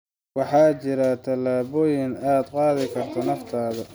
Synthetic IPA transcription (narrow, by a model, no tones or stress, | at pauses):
wɑħɑːt͡ʃɪɾɐt̪ʰɐlaːβɔːjɪnaːd̪qɑːðɪkʰɐrt̪ʰɔnɐft̪ʰaːðɐ